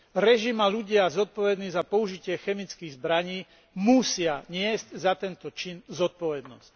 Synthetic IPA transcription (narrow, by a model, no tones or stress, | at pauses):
ɾɛʒimaluɟɪazɔt̪̚pɔʋɛd̪niːzapɔuʒicɪɛxɛmit͡skiɣzbɾaɲiː | musɪaɲɪɛzczat̪ɛnt̪ɔt͡ʃinzɔt̪̚pɔʋɛd̪nɔsc